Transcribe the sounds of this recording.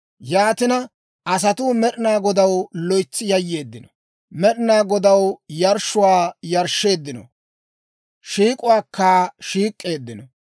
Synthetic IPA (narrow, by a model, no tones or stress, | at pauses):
jaːt̪ɪnɐ | ʔɐsɐt̪uːmɛɗɪnaːɡɔd̪ɐwlɔjt͡sːɪjɐjːe̞ːd̪ːɪnɔ | mɛɗɪnaːɡɔd̪ɐwjɐɾʃːʊwaːjɐɾʃːe̞ːd̪ːɪnɔ̰ | ʃiːkʼʊwaːkʰːaːʃiːkʼːe̞ːd̪ːɪnɔ